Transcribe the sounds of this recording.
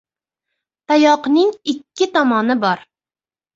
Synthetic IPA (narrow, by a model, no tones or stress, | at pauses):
t̪ʰajɒqnɪŋɪkʲːɪt̪ʰɒmɒnɪbɒɾ